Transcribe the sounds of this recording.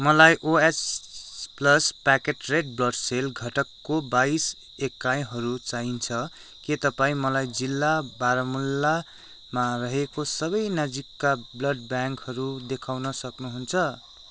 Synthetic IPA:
mʌlajʔoes | plʌspakeʈreɖ̚blʌɖselɡʱʌʈʌkːobais | ekːaj̃ɦʌɾut͡saɦint͡sʰʌ | ket̪ʌpaĩmʌlajd͡zilːabaɾʌmulːa | marʌɦekosʌβʌjnʌd͡zikːablʌɖ̚bjaŋkhʌɾud̪ekʰawnʌsʌknuɦunt͡sʰʌ

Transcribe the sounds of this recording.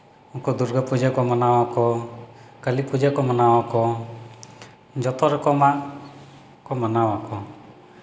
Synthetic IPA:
ɔkɔd̪uɾɡəpud͡ʒɛkɔmanawakɔ | kəlipud͡ʒɛkɔmanawakɔ | d͡ʒɔt̪ɔɾɔkɔmaʔ | kɔmanawakɔ

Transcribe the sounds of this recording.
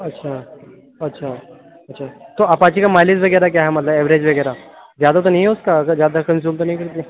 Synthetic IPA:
ətːɕʰa | ətːɕʰa | ətːɕʰat̪oɐpãt͡ɕiːkamajlisʋəɡəjɾak̬jaɦɛmət̪laeʋɾed͡ʑʋəɡəjɾa | d͡ʑjad̪at̪onɦioskakad͡ʑjad̪akənsjuːmt̪ənaikəɾt̪i

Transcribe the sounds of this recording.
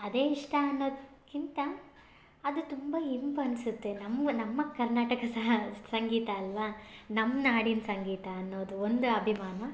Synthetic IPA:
ɐd̪e̞ːiʂʈɐɐnːo̞ːd̪ | kint̪ɐː | d̪ut̪umbɐɦimpɐnsut̪ːenɐmːnɐmːɐkɐɾnaːʈɐkɐsɐɦɐsɐŋɡiːt̪ɐːlʋɐnɐmːɐnaːɽinɐsɐŋɡiːt̪ɐːnːoːd̪uond̪uɐbʱimaːnɐ

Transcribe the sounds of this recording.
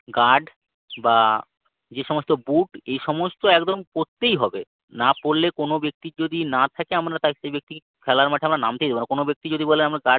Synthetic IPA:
ɡaɖ | ba | d͡ʑeʃɔmost̪obuʈejʃɔmost̪oɛkd̪omkoɾt̪ːejɦɔbe | napoɾlekonobek̚t̪id͡ʑod̪inat̪ʰakeamɾat̪akʃejbek̚t̪ike | kʰɛlaɾmaʈʰeamɾanamt̪ejd̪ebonakonobek̚t̪id͡ʑod̪ibolenamɾaɡaɖ

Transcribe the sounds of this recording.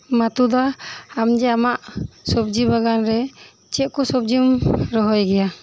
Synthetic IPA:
mat̪ud̪aːmd͡ʒɛamaʔsɔb̚d͡ʒibaɡanɾɛ | t͡ʃɛʔ̪̚kɔsɔb̚d͡ʒimɾɔɦɔjɡɛja

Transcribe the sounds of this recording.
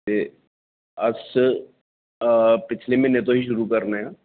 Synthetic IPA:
e | ɐs | pɪt͡ʃʰlemẽnẽt̪õɦiʃ̬ʊɾukɐɾnaɦjaː

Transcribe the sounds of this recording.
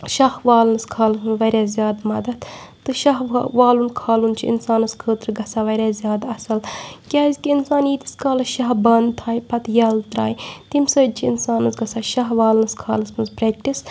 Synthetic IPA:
ʃɐhʋaːlnɨskʰaːlɨsmɨzʋɐɾʲaːzʲjaːd̪mɐd̪ɐt̪t̪ɨʃɐɦʋaːlunkʰaːlunt͡ʃʰiḭnsaːnɐskʰəːt̪ɾɨɡɐsaːʋɐɾʲaːzjaːd̪ɐsɐlkʲaːzʲkiinsaːniːt̪i̥skʰaːlɐʃɐɦbɐnd̪t̪ʰaːjpɐt̪jɐːlt̪ɾa̰ːjt̪imsəːt͡ʃʰiinsaːnɐsɡɐsaʃɐɦʋaːlnɨskʰa̰ːlɨsmɨnzpɾeːk̚ʈis

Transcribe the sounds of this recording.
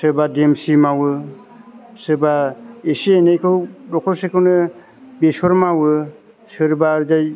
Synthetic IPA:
sɯbademsimawɯ | sɯbaesienejkʰɯwdɔkʰɔsekʰɯwnɯ | besɔɾmawɯ | sɯɾbaɾzaj

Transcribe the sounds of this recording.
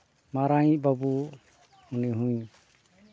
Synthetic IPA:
maɾajbabu | uniɦũɲ

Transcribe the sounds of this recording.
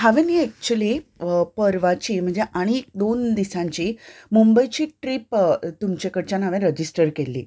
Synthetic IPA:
ɦaʋẽniɛk̚t͡ɕəlipəɾʋat͡ɕim̤əɳd͡zeʔaɽ̃iek̚d̪ond̪isãɲt͡ɕimumbəjt͡ɕiːʈɾipt̪umt͡ɕekəɽt͡ɕanaʋẽɾəd͡ʑisʈəɾkelːḭ

